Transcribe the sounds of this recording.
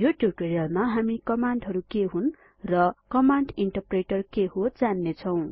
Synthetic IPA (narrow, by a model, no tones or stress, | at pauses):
juʈjub̚ʈoɾijʌlmaɦamikʌmaɳɖɦʌɾukeɦun | rʌkʌmaɳɖiɳʈʌrpreʈʌrkeɦod͡zanːet͡sʰʌw̃